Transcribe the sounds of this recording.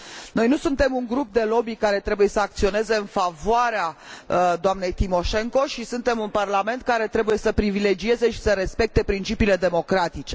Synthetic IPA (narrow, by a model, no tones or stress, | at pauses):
no̞jnusunt̪e̞muŋɡɾup̚d̪e̞lo̞bikaɾe̞t̪ɾe̞buje̞səak̚t̪sio̞ne̞ze̞ɨnfavoaɾead̪oamne̞jt̪imo̞ʃe̞ŋko̞ʃisunt̪e̞munparlame̞nt̪̚kaɾe̞t̪ɾe̞buje̞səpɾivile̞d͡ʒie̞ze̞ʃi̥səɾe̞spe̞k̚t̪e̞pɾint͡ʃipiːle̞d̪e̞mo̞kɾat̪it͡ʃe̞